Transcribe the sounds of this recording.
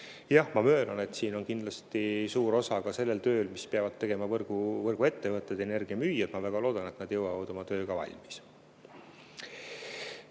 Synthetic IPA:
jɑhmɑmø̞ːlɑne̞t̪ːˑsiːno̞nkind̪lɑst̪isuːɾo̞sɑkɑse̞lːe̞lt̪ø̞ːlmispeɑvɑd̪̥̚t̪ːe̞ɡ̥e̞mɑvɤrɡ̥uvɤrɡ̥ue̞t̪ːevɤt̪ːˑed̪̥e̞ne̞rɡ̥iɑmyːjɑd̪̥mɑvæɡ̥ɑloːd̪̥ɑne̞t̪nɑd̪jɤwɑvɑd̪o̞mɑt̪ø̞ːɡ̥ɑvɑ̰lʲmis

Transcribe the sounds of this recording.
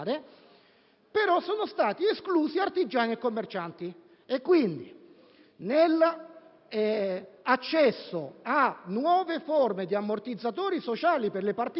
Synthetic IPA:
ɾe | peɾɔsɔːnost̪aːt̪ieskluːsiart̪id͡ʒːaːniɛkːomːert͡ʃant̪i | ekːwind̪i | nelː | at͡ʃːɛsːoanːwɔːveformed̪iamːort̪id̪zːat̪oːɾisot͡ʃaːliperlepart̪

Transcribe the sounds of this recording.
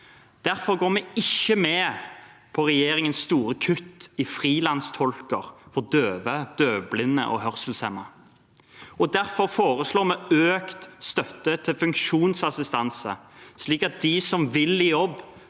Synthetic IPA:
d̪̥æɾfɔɾɡoːmɛɪçːəmɛːpʰɔʁɛjeːɾɪŋənsːt̪uːɾəkʰʉt̪ːɪfʁiːlɑnst̪ʰɔlkəʁfɔd̪øːʋəd̪̥øːblɪnːə̰ʔɔ̰ɦœʁsəl̩sɛmə | ɔd̪æɾfɔɾfoːʁəsloːmɛøːkt̪st̪œt̪ːət̪ʰɪlfʉŋkʃuːnsɑsɪst̪ɑnsə̰sliːkɑt̪̚d̪ɪsɔmʋɪlijɔb

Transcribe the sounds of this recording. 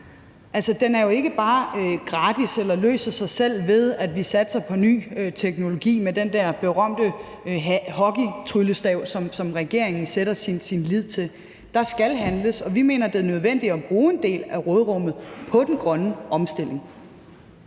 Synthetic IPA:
ʔælsɐd̥enæɐjo̝e̝ɡ̥əb̥ɑ̈ːɡ̥ʁɑ̈ːd̥iselɐlø̰ːsɐsɑ̈ɪsel̰ʋe̝ðˠæd̥ʋisæd̥sɑ̈ɪpʰɒ̽ny̰ːt͡sʰeɡ̥no̝lo̝ɡ̥ḭːmed̥end̥æɐ̰b̥e̝ʁɶm̰d̥ə | hɒ̽ɡ̥it͡sʰʁyləsd̥ɛʊ̰sɒ̽msɒ̽mʁɛɡ̥e̝ɐ̰eŋn̩seɾ̥ɐsinsinlið̰ˠt͡sʰe̝l | d̥ɑ̈sɡ̥ælɦænləsɒ̽ʋime̝̰ːnɐd̥e̝ɐnøð̞ˠʋen̰d̥iɒb̥ʁuːe̝nd̥e̝̰ːlæʁɔːðˠʁɔ̽m̰ð̩ˠpʰɒ̽d̥enɡ̥ʁɶnəʔɒ̽msd̥e̝l̰e̝ŋ

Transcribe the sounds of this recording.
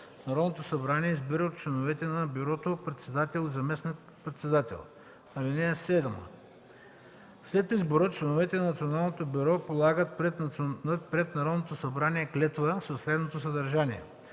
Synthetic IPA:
nɐɾɔd̪not̪osɐbɾaniɛizbiɾət̪t͡ʃlɛnovɛt̪ɛnɐbyɾɔt̪opɾɛt̪sɛd̪at̪ɛlˠizɐmɛsnʲik | pɾɛt̪sɛd̪at̪ɛ̰lˠ | ɐlinɛjɐsɛd̪mə̰ | slɛt̪izboɾət͡ʃlɛnovɛt̪ɛnɐnɐt̪sionalˠnot̪obʲyɾɔpolˠaɡət̪̚pɾɛt̪ət̪pɾɛt̪nɐɾɔd̪not̪osɐbɾaniɛklɛt̪vəsɐsɾɛd̪not̪os̬ɐd̪ɐɾʒaniɛ̰

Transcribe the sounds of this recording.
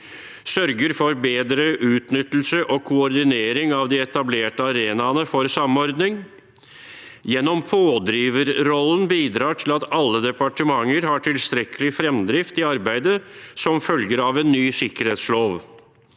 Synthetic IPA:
sœɾɡəɾfɔɾbeːd̪ɾəʔʉːt̪nʏt̪ːl̩səʔɔkʰʊɔɾd̪ɪneːɾɪŋɑʋd̪iɛt̪ɑbleːʈəɑɾeːnɑnəfɔɾsɑmːɔɾd̪nɪŋ | jɛnːɔmpʰoːd̪ɾiːʋəɾɾɔlːənbiːd̪ɾɑːʈʰɪlɑt̪ɑlːəd̪ɛpɑʈəmɑŋːəɾɦɑʈʰɪlst̪ɾɛkʰəlɪfɾɛmd̪ɾɪft̪ɪɑɾbæɪd̪əsɔmfœlɡəɾɑʋenːyːsɪkəɾheːt̪sloːʋ

